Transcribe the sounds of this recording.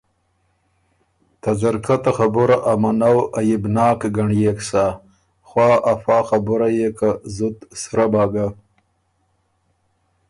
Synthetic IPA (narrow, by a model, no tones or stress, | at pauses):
t̪ad͡ʒaɾkat̪axabʊɾaʔamanawajɪbnɑːkɡaɳjeksa | xwɑːʔafɑːxabʊɾajekazʊt̪sɾabɑːɡa